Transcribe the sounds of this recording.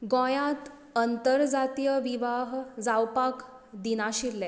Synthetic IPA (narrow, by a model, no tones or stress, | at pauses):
ɡɔ̃jãt̪ | ənt̪əɾd͡zat̪ijəʋiʋaɦd͡zawpak | d̪inaɕiɾle